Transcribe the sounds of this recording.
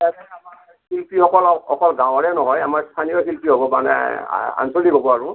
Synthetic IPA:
atɛama | hilpihɔkɔlɔkɔlɡãw̃ɔɹɛnɔɦɔjamaɹst̪ʰanijɔxilpiɦobɔmanɛ̰a̰nsolibʱɔbɔaɹʊ̃

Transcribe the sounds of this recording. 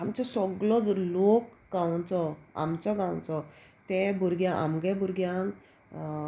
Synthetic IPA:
amt͡ɕɔsɔɡɭɔd͡zlokɡãwt͡sɔa̰mt͡ɕɔɡãw̃t͡sɔ | t̪ɛbʱuɾɡjãʔa̰mɡɛ̃bʱuɾɡjãŋ

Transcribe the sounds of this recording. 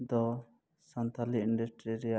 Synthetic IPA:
d̪ɔ | sant̪ʰaliiɳɖusʈɾiɾɛja

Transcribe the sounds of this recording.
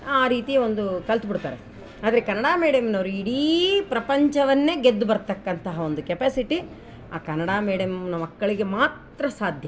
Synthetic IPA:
aːɾiːt̪ijond̪ukɐlt̪ubiɽt̪aːɾe | aːd̪ɐɾekɐnɐɽaːmiːɽɐmnɐʋɾuiɽipɾɐpɐɲt͡ʃɐʋɐnːe̞ːɡed̪ːubɐɾt̪ɐkːɐnt̪ɐɦɐo̞nd̪ukepeːsiʈi | aːkɐnɐɽaːmiːɽɐmnɐmɐkːɐɭiɡe̞maːt̪ɾɐsaːd̪ʱjɐ

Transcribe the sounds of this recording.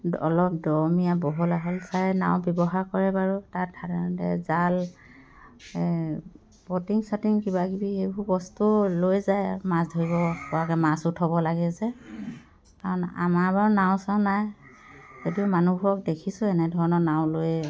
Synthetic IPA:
dɔlɔp̚dɔɹmijabɔɦɔlaɦɔlsajna̰w̃bjɔbɔɦaɹkɔɹɛbaɹutat̚dʰʱadtɛ̰zal | b̥ɔtiŋsatiŋkibaɡibihebʱubɔstulojzajmasdʱoɹibɔpɔakɛmasʊtʰɔbɔlaɡɛzɛ | kaɹɔna̰maɹbaɹunaʊ̃saʊnaj | zotiɔmanubʱuɹɔk̚dekʰisʊ̃ɛnɛdʱɔɹɔnɔnaʊ̃loj

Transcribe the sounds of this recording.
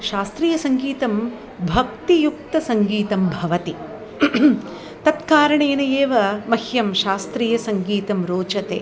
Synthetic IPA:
ʃaːst̪ɾiːjɐsɐŋɡiːt̪ɐm | bʱɐk̚t̪ijuk̚t̪ɐsɐŋɡiːt̪ɐmbʱɐʋɐt̪i | t̪ɐt̪kaːɾɐɳeːnɐjeːʋɐmɐhjɐmʃaːst̪ɾiːjɐsɐŋɡiːt̪ɐmɾoːt͡ʃɐt̪ḛː

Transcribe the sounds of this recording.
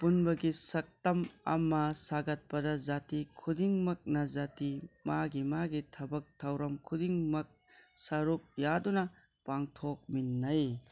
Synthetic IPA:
punbɐɡisɐk̚tɐmɐ̰mɐsaɡɐt̚pɐdɐzatikʰudiŋmɐk̚nɐzatimaɡimaɡitʰɐbɐk̚tʰɐwɾɐmkʰudiŋmɐk̚ | sɐɾup̚jadunɐ | paŋtʰok̚minːɐj

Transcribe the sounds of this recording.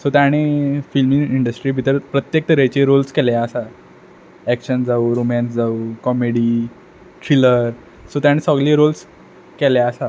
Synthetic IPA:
sot̪jaɽ̃ifilmiŋiɳɖəsʈɾiːbʱit̪əɾpɾət̪jek̚t̪əɾet͡ɕiɾolskɛljaəsa | ɛkɕənd͡zauɾomɛ̃ns̬d͡zaukɔmeɽiː | ʈɾiləɾ | sot̪jaɽ̃isɔɡliːɾols | kɛljaəsa

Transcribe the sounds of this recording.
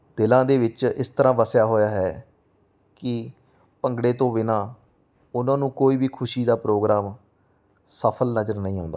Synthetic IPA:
d̪ɪlãːd̪eːʋɪt͡ʃɪst̪əɾãːʋəsjaːɦoːjaːɦɛː | kɪ | pəŋɡɽeːt̪õːʋɪnãː | ʊnãːnũːkoːiːbiːkʰʊʃiːd̪aːpɾoːɡɾaːm | səpʰəlnəzəɾnəɦĩːɦõ̰ːnd̪a̰ː

